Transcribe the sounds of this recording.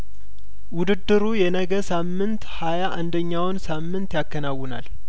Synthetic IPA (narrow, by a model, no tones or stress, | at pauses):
wʊd̪ɨd̪ːɨɾujɛnəɡəsamːɨnt̪hajaʔand̪əɲːawnsamːɨnt̪jakːənawʊna̰l